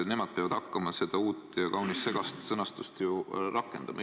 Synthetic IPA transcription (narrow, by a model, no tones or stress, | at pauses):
ne̞mɑd̪̥̚peɑvɑd̪̥hɑkːɑmɑse̞d̪̥ɑuːt̪ːˑjɑkɑwnisːe̞ɡ̥ɑst̪sɤnɑst̪ust̪jurɑkːˑe̞nd̪̥ɑ̰mɑ̰